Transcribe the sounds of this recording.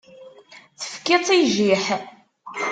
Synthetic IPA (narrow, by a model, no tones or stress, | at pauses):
θə̥fkːɪt͡sˤːiʒiħ